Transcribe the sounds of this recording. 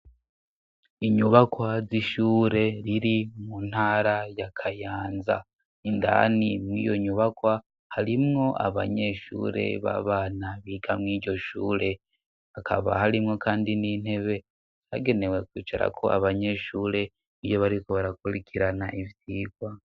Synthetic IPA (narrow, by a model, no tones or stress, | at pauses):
iɲuβakwaziʃuːɾe̞ɾiɾimun̥haːɾajakʰajaːnza̰ | inda̰nimŋḭːjo̞ɲuβakwa | haɾimŋo̞ʔa̰βa̰ɲe̞ʃṵːɾe̞̰βa̰βaːnaβiːɡamŋiːɟo̞ʃuːɾe̞ | akʰa̰βa̰haɾimŋo̞kʰaːndinin̥he̞βe̞ | taɡe̞ne̞we̞kwiːt͡ʃaɾa̰kʰo̞ʔa̰βaɲe̞ːʃuːɾe̞ | ijo̞βaɾiko̞βaɾakuɾikʰiɾanaʔivjiːɡwa